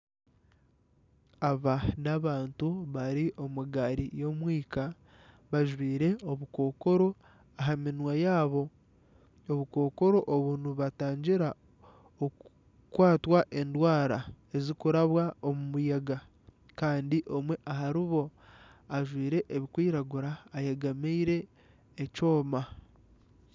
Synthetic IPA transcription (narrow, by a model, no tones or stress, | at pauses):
aβanaβaːntuβaɾiʔo̞muɡaɾijo̞mwiːka | βaʒwiːɾe̞oβuko̞ːko̞ɾo̞ | aɦaminwajaːβo̞ | oβuko̞ːko̞ɾo̞ʔoβunuβataːɲɟiɾa | o | kwaːtwaʔe̞ndwaːɾa | e̞zikuɾaβwaomumujaɡa | kaːndiʔo̞mwe̞ʔaɦaɾiβo̞ | aʒwiːɾe̞ʔeβikwiːɾaɡuɾaːjaɡameiɾe̞ː | co̞ːma